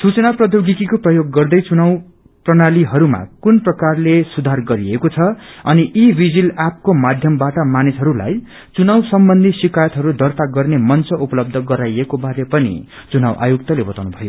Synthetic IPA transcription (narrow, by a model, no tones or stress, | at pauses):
sut͡sʌnaprʌd̪jowɡikikoprʌjoɡːʌrd̪ʌjt͡sunaw | prʌnaliɦʌɾuma̰kunprʌkarlesud̪ʱarɡʌɾiekot͡sʰʌʌniʔibid͡zilap̚komad̪ʱjʌmbaʈʌmanisɦʌɾula̰j | t͡sunawsʌmbʌnd̪ʱisikajʌt̪ɦʌɾud̪ʱʌrt̪aɡʌrnemʌnt͡sʌʔupʌlʌb̚d̪ʱʌɡʌɾajekobaɾepʌnḭ | t͡sunawʔa̰juk̚t̪ʌlebʌt̪awnubʱʌjo